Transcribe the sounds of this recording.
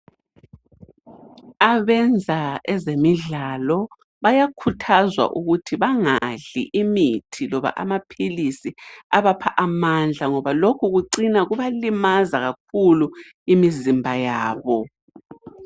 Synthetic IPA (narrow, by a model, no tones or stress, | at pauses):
aβɛnd͡zʱaɛzemiɮalɔ | βajakʰutʰazwa̰ʔuɣutʰiβaŋaɮḭʔimitʰilɔβa̰ʔamapʰilisiaβapʰaʔamand͡ɮʱaŋɔβalokʰuɣuǀinaɣuβalimazaɣak̚ʰulu | imizimbʱajaːβɔ